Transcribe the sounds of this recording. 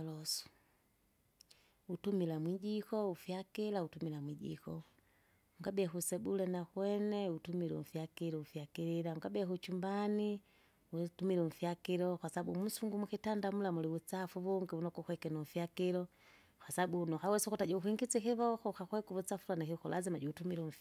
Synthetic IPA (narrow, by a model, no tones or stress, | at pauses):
lɔsɔ̥ | utumilamwid͡ʒikɔufjakilautumilamwiʄḭkɔ | uŋɡabiaxusɛbulɛnaxwɛnɛutumilɛ̰m̩fjakilɔufjakiɾilauŋɡabiɛhut͡ʃumbani | utumilɛfjakilɔkwasaabṵm̩suŋɡumuxitandamulamuliut͡safuβuŋɡiunɔkuxwɛkɛnɔfjakilɔ | kwasabunɔhawɛsɔkɔtad͡ʒauxiŋɡit͡sikiβɔxɔxaxwɛkuβut͡safuɾanahixɔlʔazimad͡ʒuutumilu